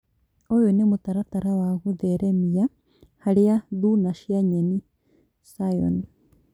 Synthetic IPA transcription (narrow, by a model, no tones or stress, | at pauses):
ojunimut̪aɾat̪aɾawaɣuðeɾemija | halijaðunaʃiaɲeni | sajo̰ni